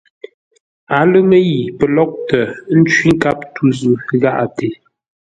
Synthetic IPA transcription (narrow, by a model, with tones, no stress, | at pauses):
a˨˦lɨ˦mə˦ji˨pə˨lɔ˦k̚tə˨˦n̩˦t͡ʃɥi˦ŋ̩˦ka˦p̚tu˦zʉ˨ɣa˦ʔa˨te˨